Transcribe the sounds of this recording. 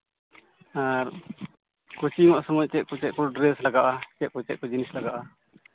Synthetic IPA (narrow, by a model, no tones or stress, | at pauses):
aɾ | kut͡ʃiŋɔʔsɔŋɔɲt͡ʃɛʔ̚kɔt͡ʃɛʔ̚kɔɖɾɛslaɡaʔat͡ʃɛʔ̚kɔt͡ʃɛ̰ʔ̚kɔd͡ʒinislaɡaʔa